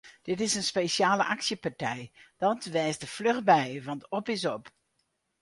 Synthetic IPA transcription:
d̥ɪtɪsənspeʃjaːləʔaksjəpaɹtɛjd̥ɑtʋɛːsdəfløxbɛjʋɑntɔpɪsɔp

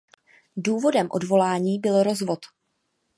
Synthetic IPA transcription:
duːvo̞dɛmʔo̞̰dvo̞laːɲiːbɪlɾo̞zvo̞t̪

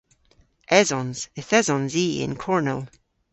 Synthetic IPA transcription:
ʔɛzɔ̃nz̥ɪθɛzɔ̃nziɪ̰̃nkʰɔɹnəlˠ

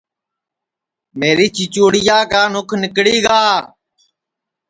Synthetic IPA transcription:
meːɾiːt͡ʃit͡ʃoːɽɪjaːkaːnʊkʰnɪkɽiːɡaː

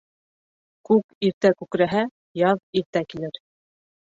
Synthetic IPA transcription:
kʉkiɾt̪ækʉkɾæɦæ | jɑðiɾt̪ækilɘɾ

